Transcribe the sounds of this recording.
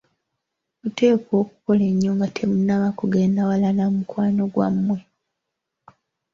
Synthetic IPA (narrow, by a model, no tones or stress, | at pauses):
mute̞ːko̞ːku̥ko̞le̞ɲːuːŋɡatʰe̞munːaβakuɡe̞ːndawalanamukwaːno̞ɡwa̰mːwe̞